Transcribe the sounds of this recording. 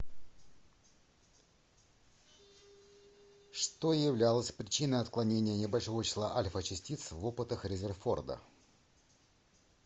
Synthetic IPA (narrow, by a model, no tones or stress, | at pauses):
ʂt̪ojɪvlʲalˠəsʲpɾʲɪt͡ɕinəjɐt̪klˠɐnʲenʲɪjənʲɪbɐlʲʂo̞vət͡ɕɪ̥slˠa̰ʔalʲfət͡ɕɪsʲtʲit̪svopɨt̪əxɾʲɪzʲɪrfo̞̰rd̪ə̰